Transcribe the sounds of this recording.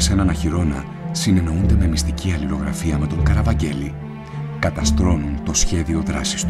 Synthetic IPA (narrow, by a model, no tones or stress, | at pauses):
senɐnɐçiɾo̞nɐ̰ | sine̞no̞und̪e̞me̞mist̪iciɐliɾo̞ɣɾɐfiɐme̞t̪o̞ŋkɐɾɐvɐɲɟe̞li | kɐt̪ɐst̪ɾo̞nunt̪o̞sçe̞ðio̞ðɾɐsi̥st̪u